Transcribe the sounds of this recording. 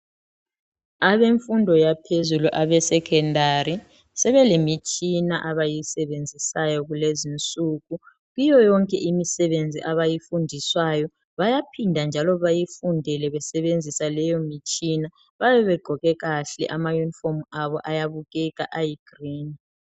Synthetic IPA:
aβeɱfundʱɔjapʰezuluʔaβɛsɛkʰɛndʱaɾi | sɛβɛlemit͡ʃʼinaʔaβajisɛβend͡zʱisajɔɣulezint͡sʼuɣu | ɣijɔjɔŋkʼɛʔimisɛβend͡zʱiʔaβajifundʱiswajɔ | βajapʰindʱand͡ʒʱalɔβajifundʱɛlɛβɛsɛβend͡zʱisalɛjɔmit͡ʃʼina | βaβɛβɛɡ͡ǃʱɔɣɛɣaɬɛ̰ʔamajunifɔmaβɔʔajaβuɣɛk̬aʔajiɡ̥riːni

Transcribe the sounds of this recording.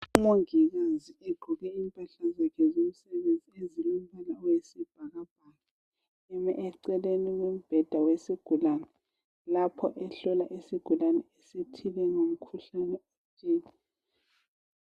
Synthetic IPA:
umoŋiɣaziɛɡ͡ǃʱuɣɛiːmpʼaɬazakʰɛzom̩sɛβend͡zʱiezilumbalawesib̥ʱaɣab̥ʱaɣa | ɛmɛ̰ʔɛǀɛleniɣum̩b̥ʱɛd̥ʱawesiɡ̥ʱulanɛ | lapʰɔʔɛɬɔlaʔisiɡ̥ʱulanɛesitʰilɛŋom̩kʰuɬanɛet͡ʃʼeːŋi

